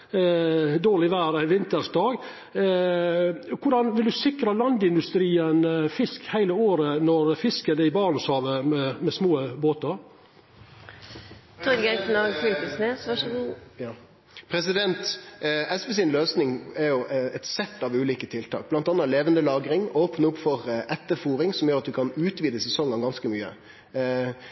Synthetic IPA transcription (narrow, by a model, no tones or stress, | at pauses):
d̪oːɭɪʋæːɾænʋɪnt̪əɾsd̪ɑːɡ | kʰʊɖɑnʋɪld̪ʉsɪkɾəlɑnd̪ɪnd̪ʉst̪ɾiːənfɪskhæɪləoːɾənɔɾfɪskəd̪ɛɪbɑːnəshɑːʋəmɛmɛsmoːboːt̪ɑɾ | t̪ʰɔd̪ɡɛknɑɡfylpəsneːsʋɑʂɡ | pʰɾɛsɪd̪ɛnt̪ɛsbɛs̬ɪnløːsnɪŋɛɾjʊɛt̪sɛt̪ːɑʋʉːliːkət̪ʰɪlt̪ʰɑ̰ːk̚b̥lɑnt̪ɑnːɑleːʋənd̪əlɑːɡɾɪŋoːpnəʊpfɔʁʔɛt̪ːəfuːɾɪŋsɔmjøːɾɑt̪̚d̪ʉkʰɑnʉːt̪ʋiːd̪əsɛsɔŋːɑnɡɑnskəmyːə̰